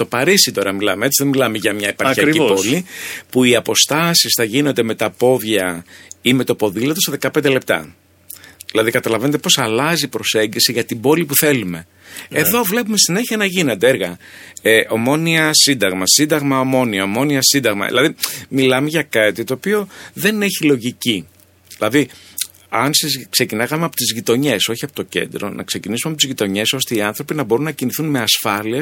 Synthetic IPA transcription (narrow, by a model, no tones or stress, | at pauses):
t̪o̞pɐɾisit̪o̞ɾɐmilɐmee̞t͡siðemilɐmeʝɐmɲɐepɐɾɐɾipo̞lipuiɐpo̞st̪ɐsisθɐʝinond̪e̞met̪ɐpo̞ðʝɐime̞t̪opo̞ðilot̪oseðe̞kɐpend̪elep̚t̪ɐ̰ | ðilɐðikɐt̪ɐlɐve̞nt̪epo̞sɐlɐzipɾo̞se̞ɲɟisiʝɐt̪ibo̞lipuθe̞lume̞ | eðo̞vle̞pumessine̞çiɐnɐʝine̞nd̪eeɾɣɐ̰eʔo̞mo̞niɐsind̪ɐɣmɐsind̪ɐɣmɐomo̞niɐomo̞niɐsind̪ɐɣmɐ̰ðilɐðimilɐme̞ʝɐkɐt̪it̪oːpio̞ðe̞ne̞çilo̞ʝici | ðilɐði | ɐnsizkse̞cinɐkɐmeɐpot̪izʝit̪o̞ɲe̞so̞çiɐpo̞t̪o̞ce̞̰nd̪ɾo̞̰nʔɐ̰kse̞cinisumɐpot̪izʝit̪o̞ɲe̞so̞st̪e̞iɐnθɾo̞pinɐbo̞ɾunːɐciniθunme̞ɐsfɐlies